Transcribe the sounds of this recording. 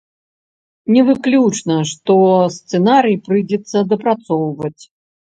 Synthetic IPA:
nʲɛvɨklʲut͡ʂnɐʂt̪ɔst̪sɛnaɾɨjpɾɨd͡zʲɛt̪sːɐd̪ɐpɾat̪sɔwvɐt͡sʲ

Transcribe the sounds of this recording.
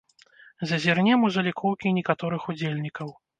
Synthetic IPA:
zɐzʲɛrnʲɛmuzɐlʲikʰɔwkʲinʲɛkat̪ɔɾɨxud͡zʲelʲnʲikɐw

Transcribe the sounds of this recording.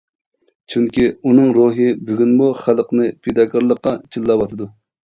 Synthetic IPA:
t͡ʃʰyŋkʲiunɨŋɾoɦɨbyɡʲynmuχælˠəqnɨpʰed̪ɑkʰɑɾlˠəqːɑt͡ʃʰilˠːɑwɑt̪ʰɨd̪u

